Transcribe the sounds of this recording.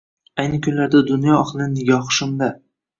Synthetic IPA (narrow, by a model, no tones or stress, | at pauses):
ajnɪkʲʰʊnlaɾd̪ad̪ʊnjɒɒχlˠɪnɪɡʲɒχʃʊmd̪a